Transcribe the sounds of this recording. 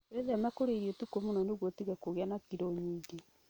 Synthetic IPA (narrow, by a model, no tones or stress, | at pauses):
eðɛmɛkoɾeɾiɔtukomonɔnoɣwɔtiɣakoɣeanakiɾoɲiːɡe